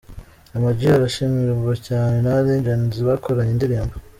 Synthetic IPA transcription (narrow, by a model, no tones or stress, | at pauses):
amaɟiaɾaʃimiɾuuocaːnenaɾeːnd͡ʒaniziβakʰoɾaɲendiɾiːmba